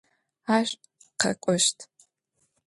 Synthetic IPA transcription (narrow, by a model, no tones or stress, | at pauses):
aːɕʷʼ | qɐ̰kʷʼɔʃtʰ